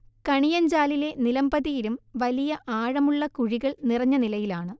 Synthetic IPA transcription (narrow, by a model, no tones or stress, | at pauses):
kɐɳijɐɲd͡ʑaːlile̞nilɐmbɐðijiɾumʋɐlijɐʔaːɻɐmuɭːɐkuɻiɣɐɭnirɐɲːɐnilɐjilaːɳɨ